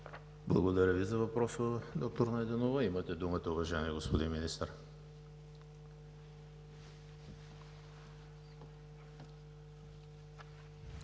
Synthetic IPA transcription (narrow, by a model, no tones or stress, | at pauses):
blˠɐ̰ɡod̪ɐɾʲəvizɐvɐpɾɔsəd̪ɔk̚t̪oɾnɐɛd̪ɛnovəimət̪ɛd̪umət̪ɐʊvɐʒajɛniɛɡospod̪inminist̪əɾ